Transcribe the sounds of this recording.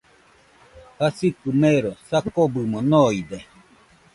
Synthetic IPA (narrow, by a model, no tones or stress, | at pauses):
hasikɨmeɾosakobɨmõnõid̪e